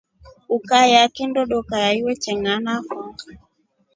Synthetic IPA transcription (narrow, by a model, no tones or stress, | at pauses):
ukajakɛndɔɗɔkajaiwɛt͡ʃɛŋanakɔŋɡa